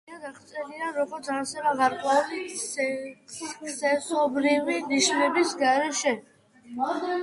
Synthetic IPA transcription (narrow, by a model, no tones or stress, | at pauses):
aɡaχt̪sʼɛliaɾɔɡɔd̪zasɛvaɡaɾkʼwɛuli | ksɛsɔbɾiviniʃnɛbisɡaɾɛʃɛ